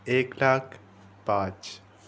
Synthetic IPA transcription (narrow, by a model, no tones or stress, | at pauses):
eːklaːk | pãːt͡ʃ